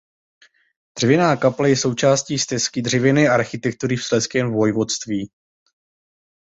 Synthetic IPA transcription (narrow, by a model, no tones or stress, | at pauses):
d̪̥r̥ɛvɪnaːkaplajɛso̞wt͡ʃaːsciːst̪ɛskɪdr̝ɛvɛnɛːʔaɾxɪt̪ɛk̚t̪uɾɪfslɛskɛːmvvo̞jvo̞t̪st̪viː